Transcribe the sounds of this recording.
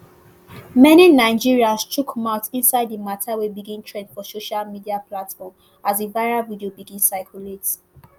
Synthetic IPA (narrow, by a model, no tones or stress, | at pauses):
mɛninaɪd͡ʒiɹiastʰukmãʊtĩnsaɪdimatʰawebiɡĩntʰɹɛ̃ndfɔsoʃalmidiapʰlatfɔm | azevaɪɹalvidiobiɡĩnsaɪkʰjulet